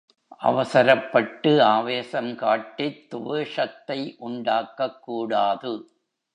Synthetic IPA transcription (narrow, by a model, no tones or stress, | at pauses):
ʔɐ̰ʋɐsɐɾɐpːɐʈːɯaːʋeːsɐmkaːʈːɪt̪ːʊʋeʂɐt̪ːɐɪʔʊɳɖaːkːɐkːuːɽaːðɯ